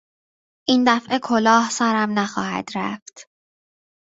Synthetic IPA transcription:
ʔiːnd̪æfʔe̞kʰolɒːhsæɾæmnæxɒ̰ːhæ̰d̪̥ɾæ̰ft̪

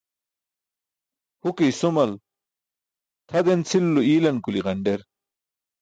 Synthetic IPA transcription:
hukijsumɐl | t̪ʰɐd̪ent͡sʰilːuiːlɐnkuliʁɐɳɖeɾ

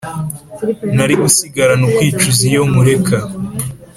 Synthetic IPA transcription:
naɾiʔusiɡaɾanukwiːt͡ʃuzijo̞muɾe̞kʰa

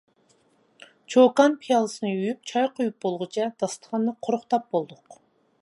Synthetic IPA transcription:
t͡ʃʰokɑnpʰijɑlˠɨsɨnɨyjyp̚t͡ʃʰɑjqʰojup̚bolˠʁʊt͡ʃʰɛd̪̥ɑst̪ʰə̥ʁɑnːɨqʰoɾʊχt̪ɑp̚bolˠd̪ʊq

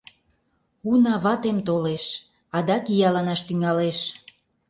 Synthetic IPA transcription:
unɑβɑt̪emt̪oleʃ | ɑd̪ɑkijɑlɑnɑʃt̪yŋɑleʃ

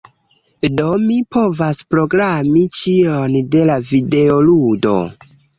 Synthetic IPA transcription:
domipʰo̞vaspɾo̞ɡɾamit͡ʃionde̞lavide̞oludo̞̰

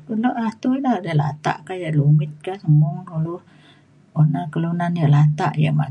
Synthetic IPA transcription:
kəloʔat̪uidahadəla̰t̪a̰ʔkajaʔlumɪt̪̚kasəmuŋuluh | onakəlunanjaʔlat̪aʔja̰ma̰

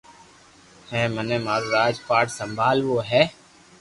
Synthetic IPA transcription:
hɛ̃ːmənemaːɾoːɾaːd͡ʒpaːʈsə̃mbʱaːlʋoːɦɛː

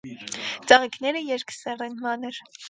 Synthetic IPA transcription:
t͡sɑʁikʰnɛɾəjɛɾkʰsɛrɛnmɑnɛɾ

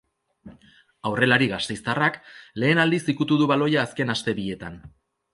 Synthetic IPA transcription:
awre̞laɾiɣast̪e̞jst̪arakle̞ːnald̪isikut̪uðuβalo̞jaːske̞nast̪e̞βie̞t̪an

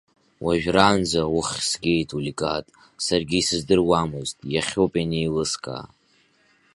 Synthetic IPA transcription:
wʔaʒᶣraːnd͡zawʊχʲsɡʲe̞jtʰulikʼatʼ | sarɡʲiːsɨzdɨrwamɨztʼjaχʲowpʼanejlɨskʼa̰ː

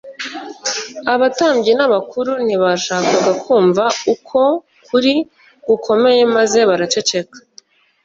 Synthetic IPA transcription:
aβataːmbɟinaβakuɾuniβaʃaːkaɡakʰuːɱvaukʰo̞ | kʰuɾi | ɡ̥ukʰo̞me̞je̞maze̞βaɾat͡ʃe̞t͡ʃe̞kḁ

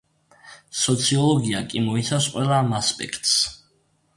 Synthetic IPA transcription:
sɔt̪sʰiɔlˠɔɡiakʼimɔit̪sʰafsqʼwɛlˠaːmaspʼɛ̰kʰt̪ʼs

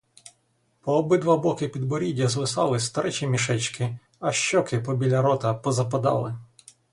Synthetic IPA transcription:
pɔːbɪd̪ʋɑblˠɔkɪpʲid̪bɔɾʲidʲɐzʋɪsɑ̰lˠɪst̪ɐɾʔɛt͡ʃʲimʲiʃɛt͡ʃkɪ | ɐʃt͡ʃɔkɪpɔbʲilʲɐɾɔt̪ɐpɔzɐpɐd̪ɑ̰lˠɪ̰

